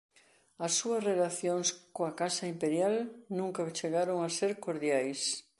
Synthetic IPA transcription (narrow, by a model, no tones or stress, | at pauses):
ɐsːuɐsrelaθjoŋskoakasaimpeɾjalnũŋkat͡ʃeɣaɾoŋaseɾkoɾðjajs